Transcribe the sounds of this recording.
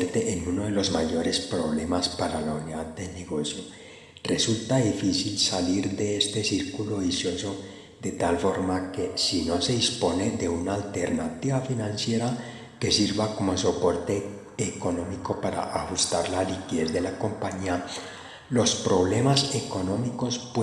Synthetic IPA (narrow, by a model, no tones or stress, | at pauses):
ɾt̪eʔenunoðelo̞zmaʝo̞ɾespɾo̞β̞le̞maspaɾalauniðad̪̚d̪e̞neɣo̞sjo | rre̞sult̪aðifisilsaliɾðeest̪e̞siɾkuloisjo̞so̞ | d̪et̪alfo̞ɾmakesino̞se̞ðispo̞ne̞ðe̞unaːlt̪e̞ɾnat̪iβafinãnsje̞ɾa | ke̞siɾβako̞mo̞so̞po̞ɾt̪e̞ː | ko̞no̞miko̞paɾa̰ʔaxust̪aɾlalikiðe̞zðe̞lako̞mpaɲia | lo̞spɾo̞β̞le̞mase̞ko̞nõ̞miko̞sp